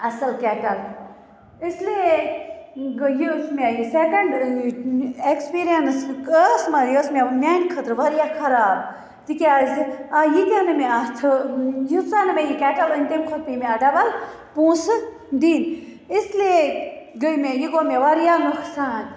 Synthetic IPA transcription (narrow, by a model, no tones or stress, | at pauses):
ɐsɐlkɛʈɐl | isle | ɡjismʲejisekɐɳɖ | ekspiːɾijɐnsəsmɐɾjosmemjaːnkʰɐt̪ɾʋɐɾjakʰɐɾaːb̚ | t̪ikazajit̪anɨmeat̪ʰɨjit͡saːnɨmejikɛːʈɐlənʲt̪emkʰot̪pimeɐɖɐbɐlpũːsɨ | d̪in | isleɡəjmejiɡoːmeʋɐɾjanuksaːn